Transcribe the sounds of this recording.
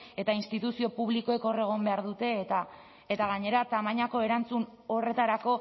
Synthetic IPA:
e̞t̪ainst̪it̪usio̞puβ̞liko̞e̞ko̞re̞ɣ̞o̞mbeaɾðut̪e̞t̪a | et̪aɣ̞aɲe̞ɾat̪amaɲako̞e̞ɾant͡sun | o̞re̞t̪aɾako̞

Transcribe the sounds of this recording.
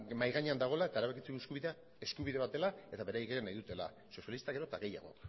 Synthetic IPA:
majɣaɲeand̪aɣ̞o̞lae̞t̪aeɾaβekit͡sekuskuβiðea | e̞skuβ̞iðe̞βat̪e̞lae̞t̪aβe̞ɾajɣienajðut̪e̞la̰ | so̞sjalist̪aɣeɾo̞t̪aɣe̞ja̰ɣ̞o̞̰

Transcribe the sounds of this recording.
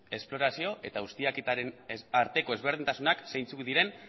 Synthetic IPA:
e̞splo̞ɾasio̞ʔe̞t̪aɣust̪iakit̪aɾenaɾt̪e̞ko̞e̞zβ̞e̞ɾð̞int̪asunaksejnt͡sukðiɾe̞n

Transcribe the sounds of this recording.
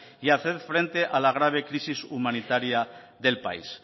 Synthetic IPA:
iaθeðfɾe̞nt̪e̞ʔalaɣ̞ɾaβ̞e̞kɾisisumanit̪aɾjaðe̞lpa̰ḭs

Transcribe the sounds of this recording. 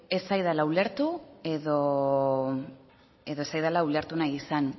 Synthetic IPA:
e̞sajðalaule̞ɾt̪ue̞ðo̞ | e̞ðo̞esajðalaule̞ɾt̪unajisan

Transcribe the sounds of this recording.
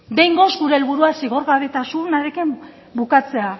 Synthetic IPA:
de̞jŋɡo̞zɡuɾe̞ːlβuɾuasiɣo̞ɾɣaβe̞t̪asunaɾekim | bukat͡se̞a

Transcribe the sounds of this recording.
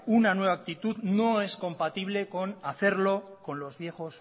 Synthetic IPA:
unanwe̞β̞ak̚t̪it̪uðno̞e̞sko̞mpat̪iβ̞le̞ko̞naθe̞ɾlo̞ | ko̞nlo̞zβje̞xo̞s

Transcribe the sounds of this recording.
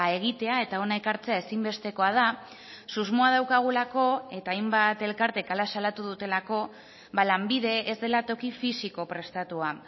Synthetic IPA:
e̞ɣ̞it̪e̞ae̞t̪ao̞naekaɾt͡se̞ae̞simbe̞st̪e̞ko̞að̞a | suzmoað̞awkaɣ̞ulako̞e̞t̪aːjmbat̪e̞lkaɾt̪e̞kalasalat̪uðut̪e̞lako̞ | βalambiðe̞ːzd̪e̞lat̪o̞kifisiko̞pɾe̞st̪at̪ua

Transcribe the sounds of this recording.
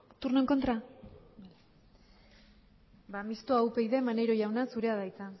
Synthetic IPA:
t̪urno̞eŋko̞nt̪ɾa | bamist̪oawpe̞jðe̞mane̞jɾo̞jawnasuɾe̞aðajt͡sa

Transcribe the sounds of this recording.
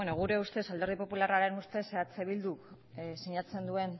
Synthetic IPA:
enoɣ̞uɾe̞ust̪e̞sald̪e̞ɾð̞ipo̞pularaɾe̞nust̪e̞seat͡seβild̪uk | siɲat͡se̞nd̪ue̞n

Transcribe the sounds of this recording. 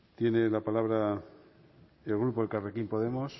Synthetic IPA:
t̪je̞ne̞lapalaβɾa | elɣ̞ɾupoekarekimpo̞ð̞e̞mo̞s

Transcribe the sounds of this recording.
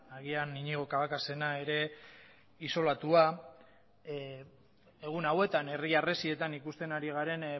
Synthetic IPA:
aɣianiɲiɣ̞o̞kaβakase̞nae̞ɾe̞ | iso̞lat̪ua | eɣ̞unawe̞t̪ane̞riare̞sie̞t̪anikust̪e̞naɾiɣ̞aɾe̞n

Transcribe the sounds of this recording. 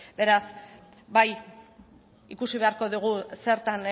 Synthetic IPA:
be̞ɾas | baj | ikusiβe̞aɾko̞ðuɣ̞use̞ɾt̪an

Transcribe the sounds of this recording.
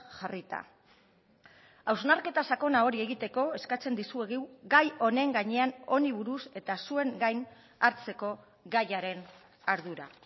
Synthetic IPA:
ʝarit̪a̰ | awznaɾke̞t̪asako̞nao̞ɾie̞ɣit̪e̞ko̞e̞skat͡se̞nd̪isueɣiwɡajo̞ne̞ŋɡaɲe̞ano̞niβ̞uɾuse̞t̪asue̞ŋɡajn | aɾt͡se̞ko̞ | ɡajaɾe̞n | aɾð̞uɾa̰

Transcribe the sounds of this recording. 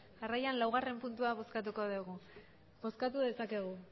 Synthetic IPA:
arajanlawɣare̞mpunt̪uaβo̞skat̪uko̞ðeɣu | bo̞skat̪uðe̞sake̞ɣ̞u

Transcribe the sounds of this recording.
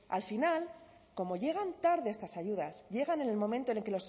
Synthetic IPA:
a̰lfinal | ko̞mo̞ʝe̞ɣ̞ant̪aɾðeest̪asaʝuðasʝe̞ɣane̞ne̞lmõ̞ment̪one̞lke̞lo̞s

